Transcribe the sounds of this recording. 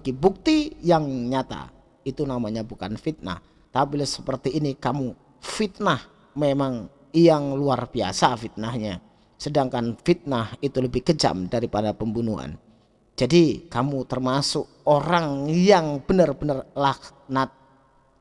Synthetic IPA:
ɡibuk̚t̪ijaŋɲat̪a̰ | it̪unamaɲabuka̰nfit̪̚na̰h | t̪abilasə̥pərt̪iːnikamu | fit̪̚nah | memaŋ | ijaŋluarbia̰safit̪̚nahɲa | sədaŋkanfit̪̚nahit̪uləbɪhɡəd͡ʒa̰mdaɾipadapəmbunua̰n | d͡ʒadikamut̪ərmasʊk̚oɾaŋjaŋb̥ənərbənərlah | nat̪̚

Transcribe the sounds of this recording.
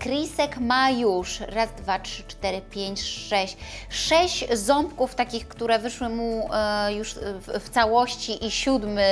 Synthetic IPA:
kɾʲisɛkmajuʂɾazd̪vatʂɘ̥t͡ʂt̪ɛɾɘpʲjeɲt͡ɕʂɛɕt͡ɕʂɛɕt͡ɕzɔmpkuft̪akʲixkt̪uɾɛvɘʂwɘmujuʂft̪sawɔɕt͡ɕiʔiɕud̪mɘ

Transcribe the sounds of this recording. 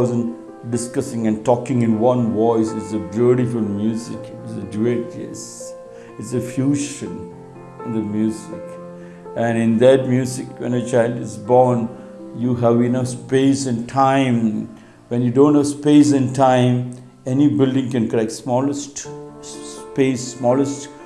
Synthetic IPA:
zə̃n | ɖɪskʌsɪ̃ŋɨ̃nʈɔːkɪ̃ŋɪ̃nwʌ̃nʋɔɪsɪtsəbjuɾifʊlmjuːzɪkɪtsəd͡ʒued͡ʒɪ̰s | ɪtsəfjuːʃə̃n | ɪ̃nd̪əmjuːzɪk | ʔæ̃nɪ̃nd̪æʈ̚mjuzɪkwɛ̰̃nət͡ʃaɪlɖɪzbɔɾn | juɦæʋĩnəspeːsɨ̃nʈʰãɪ̃m | ʋɛ̃njuɖõːntɦəʋspeːs̬ɨ̃nʈʰãɪ̃m | ɛnibɪlɖɪ̃ŋkɛ̃nkəlɛk̚ʈsmɔːləsʈ | pesːmɔːləsʈ

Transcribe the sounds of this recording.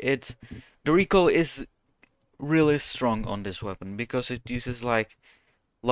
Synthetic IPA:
ʔɪt | dəɹikoʊɪz | ɹɪlˠistɹ̥ɔ̃ŋə̰̃nðɪswɛpə̃n̩bɨkʰʌzɨt̚jʉzɨzlaɪk | l

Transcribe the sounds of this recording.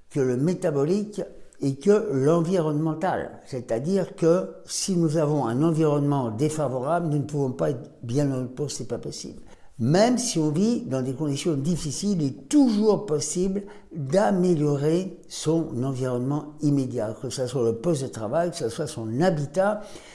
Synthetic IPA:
kələmet̪abɔlikɛkəlɑ̃viʁɔnmɑ̃t̪a̰lsɛt̪ad̪iʁkəsinuzavɔ̃ɛ̃nɑ̃viʁɔnmɑ̃d̪efavɔʁablnunəpuvɔ̃paɛt̪bjɛ̃nɔ̃d̪puʁsɛpapɔsḭbl | mɛmsiɔ̃vid̪ɑ̃d̪ekɔ̃d̪isjɔ̃d̪ifisilɛt̪uʒuʁpɔsibl | d̪ameljɔʁe | sɔ̃nɑ̃viʁɔnmɑ̃imed̪jakəsaswaləpɔst̪̬̚d̪ət̪χavajkəsaswasɔ̃nabit̪a

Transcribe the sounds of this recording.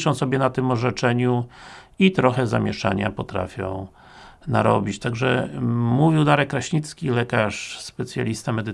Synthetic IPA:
ʂɔ̃w̃sɔbʲjɛnat̪ɘmɔʐɛt͡ʂɛɲu | it̪ɾɔxɛzamʲjɛʂa̰ɲa̰pɔt̪ɾa̰fʲjɔ̰̃w̃ | naɾɔbʲit͡ɕt̪aɡʐɛ̰muvʲiwd̪aɾɛkːɾaɕɲit̪skʲilɛkaʂspɛt̪sʲja̰lʲist̪amɛd̪ɘ

